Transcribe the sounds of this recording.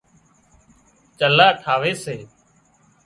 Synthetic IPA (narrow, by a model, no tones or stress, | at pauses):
t͡ʃəlaːʈʰaːʋeːseː